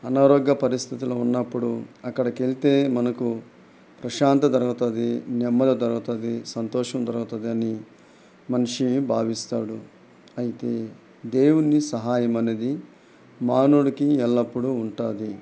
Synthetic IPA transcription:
ɐnaːɾoːɡjɐpɐɾist̪ʰit̪iloːunːɐpːuɽuɐkːɐɽɐkelit̪e̞ːmɐnɐku | pɾɐʃaːnt̪ɐd̪ɐɾɐɡut̪ɐnd̪inɛmːɐd̪ɐd̪ɐɾuɡut̪ɐd̪isɐnt̪ɔːʂɐmd̪ɐɾɐɡut̪ɐd̪iɐni | mɐniʂibʱaːʋist̪aːɽu | ɐjit̪e̞ː | d̪eːwunːisɐɦaːjɐmɐne̞ːd̪i | maːnuɽɐkiɛlːɐpːuɽuːɳʈaːd̪i

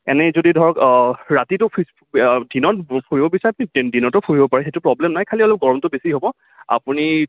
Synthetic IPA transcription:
ɛ̰nɛzodidʱɔɹɔkɹatitʊpʰ | dinɔtpʰuɹibɔbisaɹɛapunidinɔtɔpʰuɹibɔpaɹɛxetʊpɹɔblɛmnajkʰaliɔlɔp̚ɡɔɹɔmtʊbesiɦobɔ | a̰puni

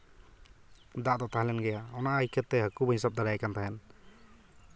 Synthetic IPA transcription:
d̪aʔd̪ɔt̪ʰaɦlɛnɡɛjaɔnaʔːjkʰɛt̪ːɛɦəkubɦisab̚d̪aɾajkant̪ʰaɦɛn

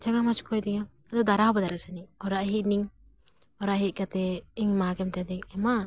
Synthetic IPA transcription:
d͡ʒaɡamad͡ʒkʰɔjd̪ɛŋa | ad̪ɔwd̪aɾaɦɔbad̪aɾasaniɔɾaʔɦiʔniŋ | ɔɾaʔɦiʔ̚kat̪ɛiŋmaɡɛmt̪ɛad̪ɛkɛma

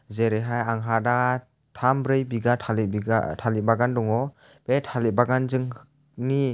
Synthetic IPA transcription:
zeɾeɦajaŋɦada | tʰambɾɯjbiɡatʰaliatʰalibaɡandɔŋɔ | b̥etʰalit̚baɡanzɯŋ | ni

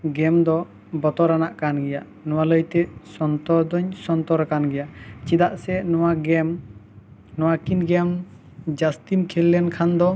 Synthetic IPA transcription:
ɡɛmd̪ɔ | bɔt̪ɔɾanaʔkanɡɛja̰ʔ | nɔwaləjt̪ɛsɔnt̪ɔd̪ɔɲsɔnt̪ɔɾakanɡɛjaʔt͡ʃid̪aʔsɛnɔwaɡɛm | nɔwakinɡɛm | d͡ʒast̪imkʰɛlːɛnkʰand̪ɔ

